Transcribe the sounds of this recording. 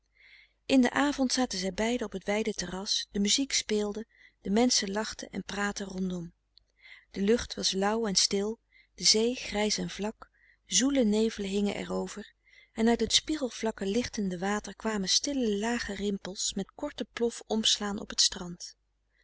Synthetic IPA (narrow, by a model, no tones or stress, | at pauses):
ʔɪndə̰ʔaːvɔntsaːtənzɛjbɛjdəɔpɦətʋɛjdətərɑsd̥əmyzikspɪːlˠdə | d̥əmɛnsəlɑχtəʔɛ̰npraːtərɔndɔm | d̥əlɵχtʋɑslʌwɛnstɪlˠ | d̥əzejχrɛjsɛnvlɑk | zulənejvələɦɪŋə̰ʔɛ̰rowv̥əɹ | ɛnœɥtɦətspiχəlˠv̥lɑkəlɪχtəndəʋaːtəɹkʋaːməstɪləlaːχərɪmpəlˠsmɛtkɔɹtəplɔfɔmslaːnʔɔ̰pətstrɑnt